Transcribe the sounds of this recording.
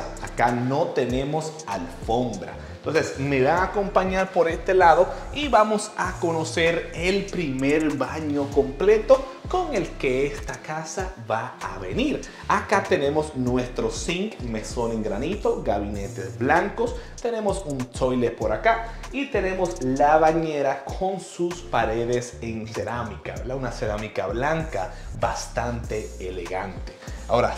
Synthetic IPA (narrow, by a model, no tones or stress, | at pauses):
a̰kano̞t̪e̞ne̞mo̞salfo̞mbɾa̰ent̪o̞nsesme̞βaako̞mpaɲaɾpo̞ɾe̞st̪e̞laðo̞ | iβamosako̞no̞se̞ɾelpɾime̞ɾbaɲo̞ko̞mple̞t̪o̞ | ko̞ŋe̞lke̞est̪akasaβaa̰βe̞̰niɾ | akat̪e̞ne̞mo̞snwe̞st̪ɾo̞siŋkmeso̞neŋɡɾanit̪o̞ɡaβine̞t̪e̞zblaŋko̞st̪e̞ne̞mo̞sunso̞jle̞po̞ɾaka | it̪e̞ne̞mo̞slaβaɲe̞ɾakʰo̞nsuspaɾe̞ðeseŋse̞ɾamikaβeɾd̪aunase̞ɾamikaβlaŋkabast̪ant̪e̞ːle̞ɣa̰nt̪e̞̥ao̞ɾa